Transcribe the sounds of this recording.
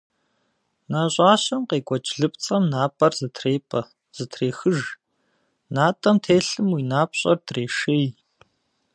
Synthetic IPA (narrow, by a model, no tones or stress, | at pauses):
naːɕʷʼaːɕɐmqeːɡʷɔt͡ʃʼɮɨp̚ʼt͡sʼɐmnaːpʼɐrzɨtʰreːpʼɐ | z̥ɨtʰreːxɨʒ | naːtʼɐmtʰeːɬɨmwiːnaːp̚ɕʼɐ̰rdreːʂej